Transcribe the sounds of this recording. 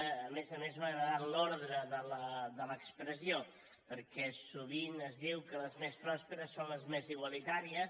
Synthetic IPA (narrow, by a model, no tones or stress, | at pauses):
əmezəmezβaɣɾəðaloɾðɾəðələd̪ələkspɾəzio | pəɾkɛsuβ̞inəzðiwkələzmespɾɔspəɾəsːonləzmeziɣwəlit̪aɾiəs